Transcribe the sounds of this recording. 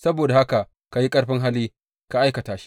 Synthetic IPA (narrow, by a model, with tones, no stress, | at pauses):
sɐ˦boː˨da˨ha˦ka˨ | ka˨ji˦kʼɐ˦ɽɸɪ˦ŋɦa˦liː˦ | ka˨ʔa˦jkɐ˨taː˦ʃi̥˦ʔ